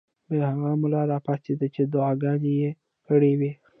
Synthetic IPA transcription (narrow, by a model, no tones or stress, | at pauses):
bəhaɣamʊlɑɾɑpased̪at͡ʃed̪ʊɑɡɑneje | kəɽewi